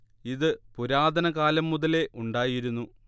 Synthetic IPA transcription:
iðɨpuɾaːd̪ʱɐnɐɣaːlɐmːuðɐle̞ʔuɳɖaːjiɾunːu

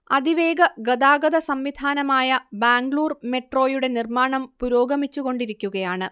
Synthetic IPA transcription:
ɐd̪ʱiʋe̞ːɡɐɡɐd̪aːɡɐd̪ɐsɐmʋid̪ʱaːnɐmaːjɐbaːŋɡɭuːrme̞ʈro̞ːjuɽe̞nirmaːɳɐmpuɾo̞ːɡɐmit͡ɕːuɣo̞ɳɖiɾikʲːuɣɐjaːɳɨ

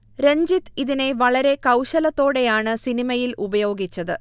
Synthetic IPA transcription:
ɾeɲd͡ʑit̪ːiðine̞ʋɐɭɐɾe̞kɐwɕɐlɐt̪ːo̞ːɽe̞jaːɳɨsinimɐjilʔubɐjo̞ːɡit͡ɕːɐðɨ

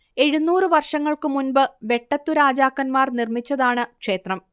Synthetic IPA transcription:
e̞ɻunːuːrɨʋɐrʂɐŋːɐɭkɨmunbɨʋe̞ʈːɐt̪ːuɾaːd͡ʑaːkːɐnmaːrnirmit͡ɕːɐðaːɳɨkʂe̞ːt̪rɐm

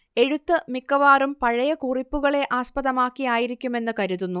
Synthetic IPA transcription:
e̞ɻut̪ːɨmikːɐʋaːrumpɐɻɐjɐkuripːuɣɐɭe̞ʔaːspɐðɐmaːkːijaːjiɾikʲːume̞nːɨkɐɾuðunːu

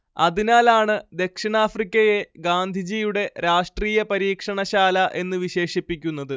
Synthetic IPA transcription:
ɐðinaːlaːɳɨd̪e̞kʂiɳaːfrikʲːɐje̞ɡaːnd̪ʱid͡ʑiːjuɽe̞ɾaːʂʈriːjɐpɐɾiːkʂɐɳɐɕaːlɐʔe̞nːɨʋiɕe̞ːʂipːik̬ʲːunːɐðɨ

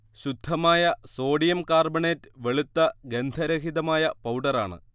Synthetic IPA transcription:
ɕud̪ʱːɐmaːjɐso̞ːɖijɐmkaːrbɐɳeːtːɨʋe̞ɭut̪ːɐɡe̞nd̪ʱɐɾɐkʰiðɐmaːjɐpɐwɖɐra̰ːɳɨ̰

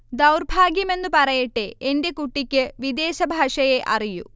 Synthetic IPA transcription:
d̪ɐwrbʱaːɡjime̞nːupɐɾɐjeʈːeːnde̞kuʈːikʲːɨʋid̪eːɕɐbʱaːʂɐjeʔɐ̰rijṵ

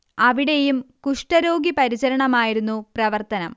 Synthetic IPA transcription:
ɐʋiɽe̞jumkuʂʈɐɾo̞ːɡipɐɾiɕɐɾɐɳɐmaːjiɾunːuprɐʋɐrt̪ɐnɐm

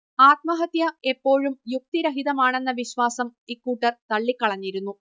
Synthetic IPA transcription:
aːt̪̚mɐɦɐt̪jɐe̞pːo̞ːɻumjuk̚t̪iɾɐɦiðɐmaːɳe̞nːɐʋiɕʋaːsɐmikːuːʈːɐrt̪ɐɭːikːɐɭɐɲːiɾunːu

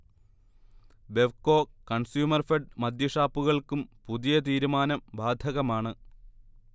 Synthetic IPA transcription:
be̞ʋko̞ːkːɐɳsjuːmɐrfeɖmɐd̪jɐʂaːpːuɣɐɭkumpuðijɐt̪̬iːɾumaːnɐmbaːd̪ʱɐɣɐmaːɳɨ

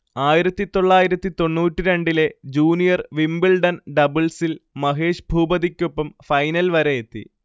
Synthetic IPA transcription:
aːjiɾɐt̪ːit̪o̞ɭːaːjiɾɐt̪ːit̪o̞ɳːuːʈːiɾe̞ɳɖiled͡ʑuːnijɐrʋimbilɖɐnɖɐbɨlsilmɐɦeːʂbʱuːbɐðikʲːopːɐmfɐjnɐlʋɐɾejet̪ːḭ

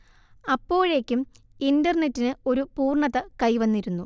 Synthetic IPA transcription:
ɐpːo̞ːɻe̞ːkʲːum | indɐrɳe̞tːinɨo̞ɾupuːrɳɐðɐkɐjʋɐnːiɾunːu

